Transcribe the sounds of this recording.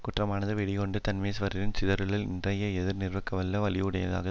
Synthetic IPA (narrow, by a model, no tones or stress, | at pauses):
kʊʈrɐmaːnɐðɯʋɛɽɪɣɔɳɖɯt̪ɐnmeːsʋɐɾɪɾɪnt͡ʃɪðɐɾɯɭɪlɪ̰ndrɐjɐɛðɪɾnɪrʋɐkːɐʋɐlːɐʋɐɭɪʋɯɽɐjɐ̰ða̰ːɣɐ